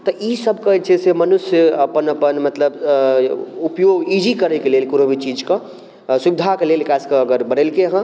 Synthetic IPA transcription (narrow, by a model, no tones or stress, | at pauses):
t̪ɔʔisəb̚ʱkət͡ʃʰesemənusjəəpənəpənmət̪ləb | upjoɡid͡ʒikəɾɛkelelkuɾobʱit͡ʃid͡ʒkã | subid̪ʱakelelkaskəəɡəɾbəɽelkeɦã